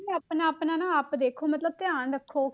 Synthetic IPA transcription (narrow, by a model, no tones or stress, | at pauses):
aːpnãːpnãːnãːaːpd̪eːkʰoːmət̪ləb̚t̪ɪaːɳɾəkʰːoː